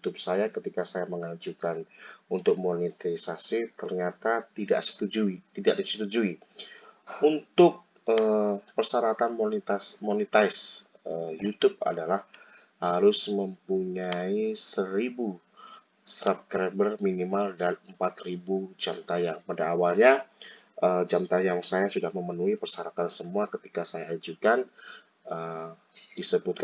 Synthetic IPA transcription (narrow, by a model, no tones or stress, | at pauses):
jut̪up̚sajakət̪ikasajaməŋad͡ʒukanunt̪ʊk̚monit̪aisasit̪ərɲat̪at̪ida̰ʔsə̥t̪ud͡ʒuit̪idaʔdisət̪ud͡ʒui | unt̪ʊk̚ | əpərsaɾat̪anmonit̪asmonit̪ajs | əjut̪ʊb̚a̰dalah | haɾʊsməmpuɲaisəɾibu | sap̚kɾabərminimaldanəmpat̪ribud͡ʒamt̪ajaŋpadaːwalɲa | ʔəd͡ʒamt̪ajaŋsajasudahməmənuipərsaɾat̪ansəmuakət̪ikasajaad͡ʒukan | ə | disəbʊt̪̚